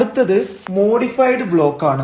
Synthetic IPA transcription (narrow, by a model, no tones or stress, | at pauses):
ɽɯt̪ːɐðɨsmoːɽifɐjɖɨbɭo̞ːkːaːɳɨ